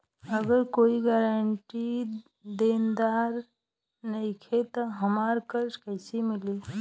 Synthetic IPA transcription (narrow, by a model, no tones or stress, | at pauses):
əɡəɾkoːiɡaːɾəɳʈi | d̪eːnd̪aːɾ | nɐikʰet̪ɔɦəmaːɾkəɾʃkəɪsimɪli